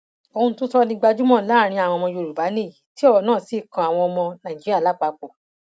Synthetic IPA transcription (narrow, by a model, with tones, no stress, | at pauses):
o˨hũ˧˦tũ˦sɔ˦nĩ˦ɡ͡ba˧d͡ʒu˦mɔ̃˦˨la˦˨ɾ̃ĩ˧a˨w̃ɔ̃˧mɔ̃˧jo˧˨ɾu˨ba˨˦nĩ˦˨ | ti˦ɔ˦wɔ˨nãː˦˨si˦˨kã˨˧a˨w̃ɔ̃˧ɔ˧mɔ̃˧nã˨d͡ʒi˦ɾa˦˨la˨˦˨k͡pa˨˧k͡po˨